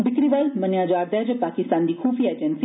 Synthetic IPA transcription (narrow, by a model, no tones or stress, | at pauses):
bɪkɾiʋɐlmɐnjaːd͡ʒaːɾd̪ɛd͡ʒɐpaːkɪst̪aːnd̪iːkʰuːfied͡ʒənsi